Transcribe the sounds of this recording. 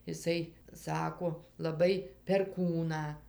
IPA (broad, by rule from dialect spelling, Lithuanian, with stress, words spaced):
ɪˈsɐɪ ˈsɑːkoː lˠɐˈbɐɪ pʲɛrˈkuːnɑː